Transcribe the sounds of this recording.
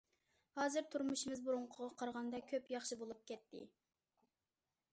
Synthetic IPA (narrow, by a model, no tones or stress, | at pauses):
hɑːzɨɾt̪ʰuɾmuʃimɪzbuɾuɴqʰʊʁɑqʰɑɾʁɑnd̪ɑkʲʰøpjɑχʃɨbolˠup̚kʲɛt̪ʰːɪ̰